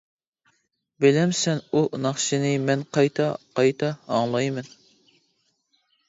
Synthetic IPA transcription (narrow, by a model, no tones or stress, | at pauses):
bɪlɛmsɛnunɑχʃɨnɪmɛnqɑjt̪ʰɑqɑjt̪ʰɑɑŋlˠɑjmɛn